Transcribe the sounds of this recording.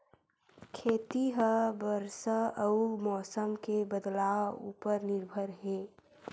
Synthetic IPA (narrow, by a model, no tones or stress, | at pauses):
kʰeːt̪iɦəbəɾsəəumɔːsəmkebəd̪lawṵːpəɾnɪɾbʱəɾɦẽː